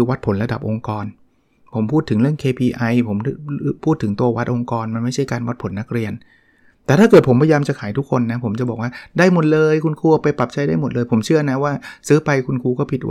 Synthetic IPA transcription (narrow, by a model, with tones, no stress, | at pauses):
kɯː˧wa˦˥t̪̚pʰo˩˦nɾa˧da̰˨˩p̚ʔo˧ŋkɔː˧n | pʰo˩˦mpʰuː˥˩t̪ʰːɯ˩˦ŋɾɯ˥˩əŋkʰeː˧pʰiː˧ʔa˧jpʰo˩˦m˥pʰuː˥˩t̪ʰːɯ˩˦ŋt̪u˧ɐwa˦˥t̪̚ʔo˧ŋkɔː˧nma˧nma˥˩jt͡ɕʰa˥˩jkaː˧nwa˦˥t̪̚pʰo˩˦nːa˦˥k̚ɾi˧ən | t̪ɛː˨˩t̪ʰaː˥˩kɤː˨˩t̚pʰo˩˦mpʰa˧jaː˧mt͡ɕa˨˩kʰaː˩˦jt̪ʰkʰːo˧nːa˦˥pʰo˩˦mt͡ɕa˨˩bɔː˨˩k̚waː˥˩daː˥˩jmo˨˩t̪̚lɤː˧jkʰu˧nkʰuː˧pa˧jpla˨˩p̚t͡ɕʰa˦˥jdaː˥˩jmo˨˩lɤː˧jpʰo˩˦mt͡ɕʰɯ˥˩ɐna˦˥waː˥˩sɯː˦˥pa˧jkʰu˧nkʰuː˧kɔː˥˩pʰi˨˩t̪̚w